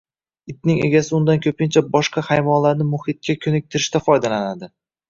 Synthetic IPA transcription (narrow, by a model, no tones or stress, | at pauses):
ɪt̪̚nɪŋe̞̰ɡʲasɪʊnd̪ankʲʰɵpɪnt͡ʃʰabɒʃqɑhajmɒnlaɾnɪmʊhɪt̪̚kʲakʲʰɵnɪk̚ʲt̪ʰɪɾɪʃt̪afɒjd̪alanad̪ɪ